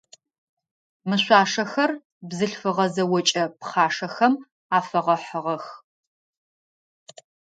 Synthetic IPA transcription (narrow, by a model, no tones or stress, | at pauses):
mɨɕʷɑːʂɐxɐr | bzɨɬfɨʁɐzɐwɔt͡ʃʼɐpχaːʂɐxɐm | aːfɐʁɐħəʁɐx